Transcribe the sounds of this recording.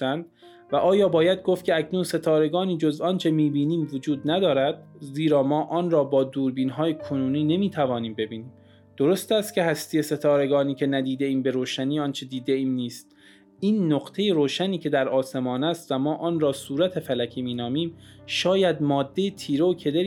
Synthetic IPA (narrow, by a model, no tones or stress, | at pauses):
ænd̪ | væʔɒːjɒːbɒːjæd̪̚ɡoft̪cʰeæcʰnunse̞t̪ʰɒːɾe̞ɡɒːniːd͡ʒozɒːnt͡ʃʰe̞miːbiːniːmvod͡ʒuːd̪næd̪ɒːɾæd̪̥̚ziːɾɒːmɒːʔɒːnɾɒːbɒːd̪uːɾbiːnɦɒːjekʰonuːniːne̞miːt̪ʰævɒːniːmbe̞biːni | d̪̥oɾost̪æst̪̚cʰʲe̞hæst̪ije̞se̞t̪ʰɒːɾe̞ɡɒːniːcʲʰe̞næd̪iːd̪e̞ʔiːmbe̞ɾoːʃæniːɒːnt͡ʃʰe̞d̪iːd̪eiːmniːst̪̚ | iːnːoqt̪ʰe̞jeɾoːʃæniːcʰe̞d̪æɾʔɒːse̞mɒːnæst̪væmɒːʔɒːnɾɒːsuːɾæt̪ʰe̞fælæcʰiːmiːnɒːmiːmʃɒːjæd̪mɒːd̪ːe̞jet̪ʰiːɾookʰe̞d̪eɾi